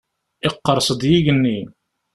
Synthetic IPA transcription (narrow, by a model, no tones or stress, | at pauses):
ɪqːəɾˤsˤəd̪jiʝənːi